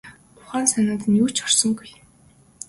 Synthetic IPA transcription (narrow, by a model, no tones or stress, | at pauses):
ʊχaːnsanʲaːt̪njuːt͡ɕɔr̥sɞ̆ŋɡuj